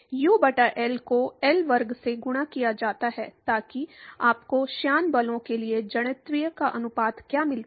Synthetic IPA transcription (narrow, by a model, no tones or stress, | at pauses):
juːbɐʈaʔɛːlkoɛːlʋɐɾɡseɡʊɽ̃akijad͡ʒaːt̪aɦɛːt̪aːkiaːpkoʃjaːnbɐlõkelied͡ʒɐɽ̃ət̪ɾɪjəkaʔɐnʊpaːd̪kjaːmɪlt̪ː